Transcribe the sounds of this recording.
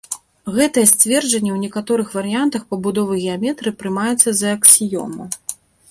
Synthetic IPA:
ɣɛt̪ɐjɛsʲt͡sʲvʲɛrd͡ʒɐnʲːɛwnʲɛkat̪ɔɾɨxvɐɾɨjant̪ɐxpɐbud̪ɔvɨɣʲɛamʲɛt̪ɾɨpɾɨmajɛt̪sːɐzɐːksʲijɔ̰mɐ

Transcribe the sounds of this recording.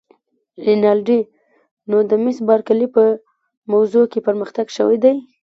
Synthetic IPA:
linɑlɖi | nod̪əmɪsbɑɾkalipə | mawzokepəɾməxt̪aɡʃəwa̰jd̪aj

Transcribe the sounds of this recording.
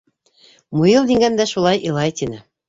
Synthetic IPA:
mujɤlˠd̪iŋɡænd̪æʃulˠɑjʔɤ̆lˠɑjt̪inɘ

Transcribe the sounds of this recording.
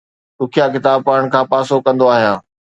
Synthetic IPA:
t̪ʊkʰijakɪt̪aːb̚paːɾɽ̃kʰãːpaːsokɐ̃nd̪oaːɦijaː

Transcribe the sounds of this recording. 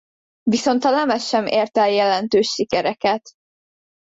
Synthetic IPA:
viso̞nt̪ɒlɛmɛʃːɛmʔeːrt̪ɛljɛlɛnt̪øːʃːikɛɾɛkɛt̪

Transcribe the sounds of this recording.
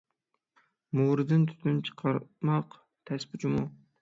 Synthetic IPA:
muɾɨd̪ɨnt̪ʰy̥t̪ʰynt͡ʃʰə̥qʰɑɾmɑq | t̪ʰɛspʊt͡ʃʰɪmu

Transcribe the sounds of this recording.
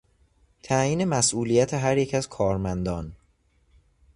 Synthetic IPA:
t̪ʰæjiːne̞mæsʔuːlijæt̪ʰeɦæɾjecʰæzkʰɒːɾmænd̪ɒːn

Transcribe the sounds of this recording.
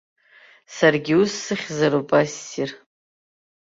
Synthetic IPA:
sarɡʲiʊsːɨχʲzaɾupʼasːir

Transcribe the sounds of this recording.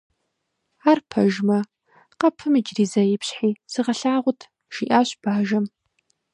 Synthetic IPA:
aːrpʰɐʒmɐ | qɐpʰɨmɨd͡ʒriːzɐjɪpʰɕħiːsɨʁɐɬaːʁʷʊtʰ | ʒ̥iʔaːɕb̥aːʒɐm

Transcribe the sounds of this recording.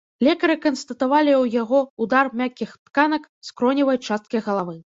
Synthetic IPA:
lʲɛkɐɾɨkɐnst̪ɐt̪avalʲiwjaɣɔud̪armʲakʲixt̪kanɐk | skɾɔnʲivɐjt͡ʂast̪̚kɐjɣɐlˠavɨ

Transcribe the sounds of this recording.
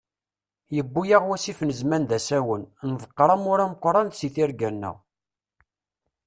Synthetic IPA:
jəbːujaʁwæsifnəzmænd̪æsæwənnðˤəqːɾˤɑmʊɾæməqʷːɾˤɑnθsiθɪɾɡænːə̰ʁ

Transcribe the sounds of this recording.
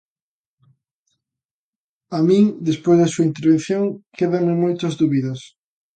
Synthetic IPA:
amĩŋd̪espojzðɐsuɐint̪̬eɾβẽn̟θjoŋkʰeðɐmɪmojt̪ɐzðuβiðɐs

